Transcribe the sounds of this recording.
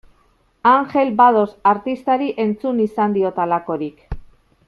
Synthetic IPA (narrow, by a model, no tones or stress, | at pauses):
aŋxe̞lbaðo̞saɾt̪ist̪aɾiʔe̞nt͡sunisand̪iot̪alako̞ɾik